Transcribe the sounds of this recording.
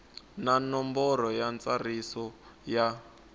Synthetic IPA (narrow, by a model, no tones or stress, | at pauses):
nanɔmbɔɾɔjant͡sarisɔ | ja